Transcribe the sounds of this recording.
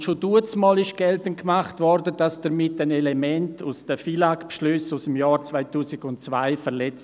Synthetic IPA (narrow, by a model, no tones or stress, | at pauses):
ʃoduət͡smɔːlɪʃɡ̥ɛltənkmaχtvɔɾdəd̥asd̥əɾmɪtanelemɛntʰusd̥əfilakpʃlʏsusəmjaːɾt͡svaɪtuːsɪɡʊntt͡sva̰ɪfəɾlɛt͡s